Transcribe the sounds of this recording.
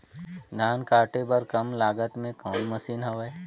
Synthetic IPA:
naːnkaːʈebɐɾkɐmlaːɡət̪mẽkɔːnmɐsiːnɦɐʋeː

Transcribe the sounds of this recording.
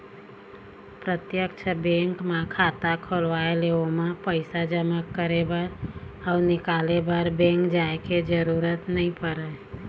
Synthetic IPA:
pɾət̪jəkt͡ʃʰəbẽŋkmekʰat̪akʰolʋaeleomepəɪsad͡ʒəməkːəɾebəɾəʊnɪkalebəɾbẽŋkd͡ʒaeked͡ʒəɾuɾət̪nəĩpəɾə

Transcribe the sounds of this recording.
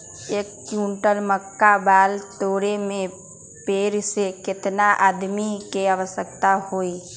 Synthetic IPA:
eːkːjũːɳʈəlməkːabaːlt̪oːɽemẽ | peːɾsekɪt̪naʔaːd̪mikeaʋəsəkt̪ahoːi

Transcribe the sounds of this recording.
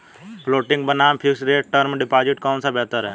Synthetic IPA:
pʰloːʈɪ̃ŋɡbənaːmpʰɪksɾeːʈ̚ʈəɾmɖɪpaːd͡ʒɪʈkɔːnsabɛːt̪əɾɦɛː

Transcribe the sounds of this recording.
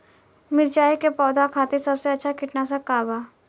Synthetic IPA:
mɪɾt͡ʃaːikepɔːd̪akʰaːt̪esɐbseɐtːʃʰakʰɪʈnasakaːbaː

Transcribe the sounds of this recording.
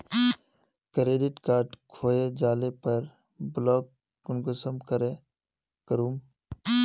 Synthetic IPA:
kɾeːɖɪʈkaːɾʈkʰoːjed͡ʒaːlepəɾ | blɔːk̚ | kʊnɡəsəmkəɾe | kəɾuːm

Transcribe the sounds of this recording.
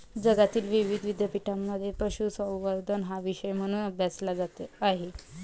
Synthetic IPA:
d͡zəɡat̪iːlʋiʋid̪ʱʋid̪japiʈamːəd̪ʱːjepɾəɕusə̃w̃ʋəɾd̪ʱənɦaʋiɕəjm̤əɽ̃uːnəbʱjat͡slad͡zat̪eaɦe

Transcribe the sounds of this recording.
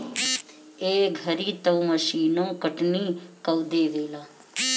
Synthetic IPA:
eɡʱəɾiːt̪əwməʃiːnõkəʈnikəʋd̪eːʋeːlaː

